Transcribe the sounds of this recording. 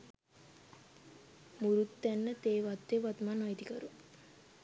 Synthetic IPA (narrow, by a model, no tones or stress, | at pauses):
muɾut̪ːænːət̪eːʋat̪ːeʋat̪manajd̪ikəɾu